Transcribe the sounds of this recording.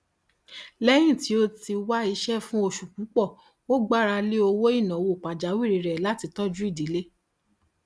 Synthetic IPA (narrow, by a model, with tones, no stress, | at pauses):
lɛ˦j̃ĩ˦˨ti˨˦o˦ti˧wa˦i˧ʃɛ˦fũ˦o˦˨ʃu˨kũ˨˦k͡pɔ˦˨ | wo˦ɡ͡ba˦˨ɾa˧li˦o˧wo˦i˦˨nã˨wo˨k͡pa˨d͡ʒa˨˦wi˦˨ɾi˨ɾɛ˨la˨˦ti˧tɔ˦d͡ʒu˦i˦˨di˨˦le˦